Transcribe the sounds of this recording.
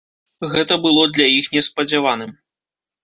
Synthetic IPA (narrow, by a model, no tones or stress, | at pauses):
ɣɛt̪ɐbɨlˠɔd̪lʲɐjixnʲɛspɐd͡zʲavanɨm